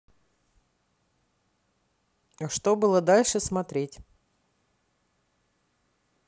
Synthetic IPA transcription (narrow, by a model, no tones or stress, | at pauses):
əʂt̪obɨlˠəd̪alʲʂɨsmɐt̪ɾʲetʲ